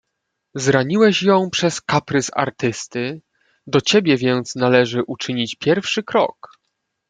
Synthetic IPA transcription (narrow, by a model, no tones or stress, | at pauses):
zɾaɲiwɛɕjɔ̃w̃pʂɛskapɾɘsa̰ɾt̪ɘst̪ɘ | d̪ɔt͡ɕebʲjɛvʲjɛnt̪snalɛʐɘʔut͡ʂɘɲit͡ɕpʲjɛɾfʂɘkɾɔ̰k